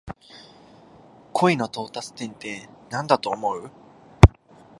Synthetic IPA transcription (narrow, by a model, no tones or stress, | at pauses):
kʰo̞ino̞t̪o̞ːt̪at͡sɨ̥t̪ẽ̞nt̪e̞nãnd̪at̪o̞ːmo̞ɯ̟